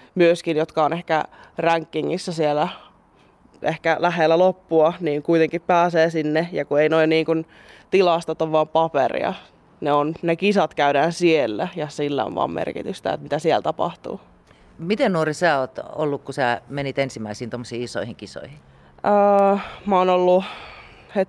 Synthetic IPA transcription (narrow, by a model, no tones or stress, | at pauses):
myøskinjot̪kɑonehkæ̰ræŋkːiŋːisːæsielæ | ʔehkælæɦelːælopːuɑniːŋkuit̪eŋkippæːseːsinːejɑkueinoinniːŋkun | t̪ilɑːst̪ɑt̪ːoʋʋɑːmpɑpḛrḭɑ̰ | neonnekisɑt̪kæyɾæːnsielːæjɑsilːæ̰o̰ʋʋɑ̰ːmmḛrkḭt̪yst̪æ̰ḛt̪mit̪æsielt̪ɑpɑ̰ht̪ṵː | mit̪ennuorisæːoːt̪o̰lːukkusæːmenit̪ensimːæisiːnt̪omːosiːiso̰ihiŋkiso̰ihi | əːmæoːnolːu | het̪